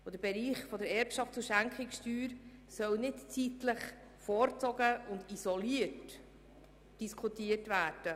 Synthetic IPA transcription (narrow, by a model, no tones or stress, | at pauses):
od̥̪əb̥ɛɾiːχfɔdəɾɛɾpʃɑftt͡suʃæŋkχɪkstyːɾsœwnɪtt͡sitləχ | fɔːɾt͡sɔɡəʊndisɔliət | d̥iskʰutiətvæːɾd̥ə